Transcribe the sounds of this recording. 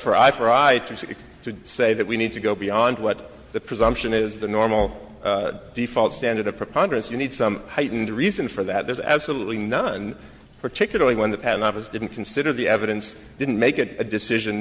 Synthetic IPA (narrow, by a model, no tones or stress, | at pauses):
fə˞ʔa̰ɪfə˞aɪɾɨ | ɾʰɨseɪðɨt̚winid̚tʰɨɡoʊbiɑ̃nd̚wʌt̪̚ | ðɨpʰɹ̥ɨzʌ̃mpʃɨ̃nɪzðɨnɔɹml̩ˠ | difɔlˠtstæ̃ndə˞ɾʌv̥pʰɹ̥ɨpʰɑ̃ndə˞ɨ̃nsjɨnid̥sʌ̃mhaɪʔn̩dɹizɨ̃nfə˞ðæt̪̚ðə˞zæ̰b̥səlutˡlinʌ̃n | pʰə˞tʰɪkjl̩ˠə˞lˠiwə̃nðɨpʰæʔn̩tɑfɨsd̥ɪdⁿn̩kʰn̩sɪɾə˞ðiɛvɨɾɨ̃ns | d̥ɪdⁿn̩meɪkɨɾɨdɨsɪʒɨ̃n